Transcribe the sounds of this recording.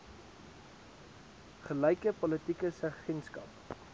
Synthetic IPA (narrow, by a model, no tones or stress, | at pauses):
χələjkəpɔlətikəsəχχinskɐ̰p